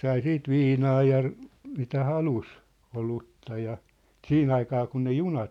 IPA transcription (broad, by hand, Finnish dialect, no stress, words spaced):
sɑi siːt ʋiːnɑː jɑ mitæ hɑlus olutːɑ jɑ siːn ɑikɑː kun ne junɑt